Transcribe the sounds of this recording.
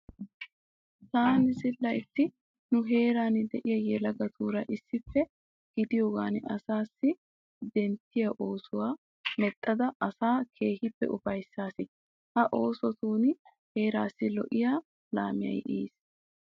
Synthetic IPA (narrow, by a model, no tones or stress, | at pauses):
t̪aːnɪzɪlːɐjt̪ːɪ | nʊɦe̞ːɾaːnɪd̪ɛʔɪjɐjɛlɐɡɐt̪uːɾɐʔɪsːɪpːɛ | ɡ̥ɪd̪ɪjoːɡaːnɐsaːsːɪ | d̪ɛnt̪ːɪjɐʔo̞ːsʊwaː | mɛt̪ʼːɐd̪ɐʔɐsaːkʰe̞ːhɪpːɛ̰ʔʊfɐjsːaːsɪ | hɐʔo̞ːsɔt̪uːn | he̞ːɾaːsːɪlɔ̰ʔɪjaː | la̰ːmɪjɐ̰jʔḭːs